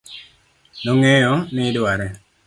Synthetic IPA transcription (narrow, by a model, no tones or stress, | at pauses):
noŋejɔnɪdwaɾɛ